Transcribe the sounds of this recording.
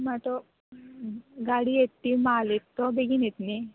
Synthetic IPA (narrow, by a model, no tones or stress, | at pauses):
mat̪ɔ | ɡaɽiet̪ːimaːlit̪ːɔbeɡinit̪ni